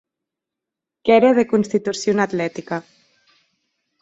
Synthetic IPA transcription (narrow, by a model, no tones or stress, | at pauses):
kɛɾeð̞ekunst̪it̪usjonat̪lɛt̪ika